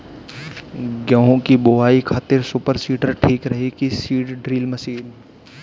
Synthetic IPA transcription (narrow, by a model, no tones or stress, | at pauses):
ɡjəɦõkiboaːikʰaːt̪ɪɾsʊpəɾsiːʈəɾʈʰiːkɾɐɦikisiːʈɖɾiːlməsiːn